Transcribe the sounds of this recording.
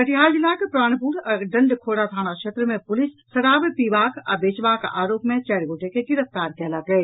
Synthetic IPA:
kɐʈɪɦaːɾd͡ʒɪlːakepɾaːɽ̃puːɾəɖɐ̃ɳɖkʰoːɽat̪ʰaːɽ̃akʃeːt̪ɾəmẽpʊlɪsːɐɾaːbepiːʋaːka̰ːbeːt͡ʃʋaːkʔaːɾoːpmẽt͡ʃɛːɾɡoːʈekeɡɪɾəft̪aːɾkɛːlaɡɐeː

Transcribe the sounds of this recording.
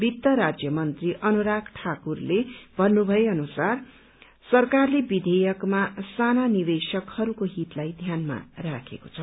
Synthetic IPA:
bit̪ːʌɾad͡zjʌmʌnt̪riʔʌnuɾakʰʈʰakurlebʱʌnːubʱʌeʌnusar | sʌrkarlebid̪ʱejʌkmasananidesʌkhʌɾukoɦit̪lajd̪ʱjanma̰rakʰḛko̥t͡sʰʌ

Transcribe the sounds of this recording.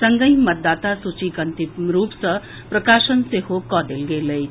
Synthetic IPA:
sɐŋɡəjmət̪̚d̪aːt̪asut͡ʃiɡənt̪iɾuːpsə | pɾəkaːʃənsehokɔd̪elɡeləj

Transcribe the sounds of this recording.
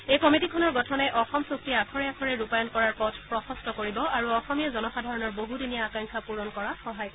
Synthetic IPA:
ejkɔmitikʰɔnɔɹɡɔtʰɔnɛʔɔxɔmsok̚tiakʰɔɹɛakʰɔɹɛɹupajɔnkɔɹaɹpɔtʰpɹɔxɔstɔkoɹibɔaɹuɔxɔmijazɔnɔxadʱaɹɔnɔɹboɦudinijaakaŋkʰapuɹɔnkɔɹaxɔɦaj

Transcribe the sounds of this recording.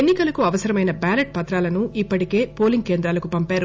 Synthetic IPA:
enːikɐlɐkuɐʋɐsɐɾɐmɐjnɐbaːlɐʈ̚pɐt̪ɾaːlɐnuʔipːɐʈike̞ːpo̞ːliŋɡ̚ke̞ːnd̪ɾaːlɐkupɐmpaːɾu

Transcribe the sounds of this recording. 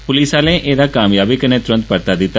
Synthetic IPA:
pʊlisalẽʔed̪akamjabikənet̪ʊɾə̃nt̪pəɾt̪ad̪it̪a

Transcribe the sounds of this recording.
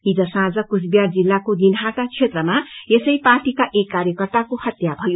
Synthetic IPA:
id͡zʌsãd͡zʌkusbijard͡zilːakod̪inɦatat͡sʰet̪rʌmaesʌjparʈikaʔekːaɾjʌkʌrt̪akohʌt̪jabʱʌjo

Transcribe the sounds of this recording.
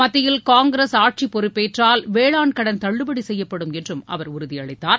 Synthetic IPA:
mɐt̪ːɪjɪlkaːŋɡɪɾeːsaːʈ̚t͡ʃipːɔɾɯpːeːʈraːlʋeːɭaːɳkɐɽɐnt̪ɐɭːɯbɐɽisɛjːɐpːɐɽɯmɛndrɯmɐ̰ʋɐɾʊɾʊðɪɐɭɐɪt̪ːaːɾ

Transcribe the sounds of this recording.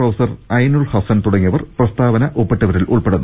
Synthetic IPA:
rɐwsɐrɐjnuɭhɐsɐnt̪uɽɐŋːiɐʋɐrprɐst̪aːʋɐnɐʔopːeʈːɐʋɐɾilʔuɭpeɽunː

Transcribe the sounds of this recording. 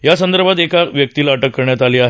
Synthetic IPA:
jasənd̪əɾbʱat̪ekaʋjək̚t̪iːlaʈəkːəɾɳjat̪aliːaɦ

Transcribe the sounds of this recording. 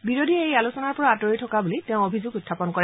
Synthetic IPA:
biɹodʱiejalusɔnaɹpɔɹaːtɔɹitʰɔkabuliteʊ̃obʱizʊɡʊtʰːapɔnkɔɹɛ

